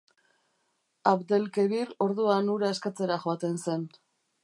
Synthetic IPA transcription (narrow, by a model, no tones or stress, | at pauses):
apd̪e̞lke̞βiro̞ɾðuanuɾaeskat͡se̞ɾaʝoat̪e̞nse̞n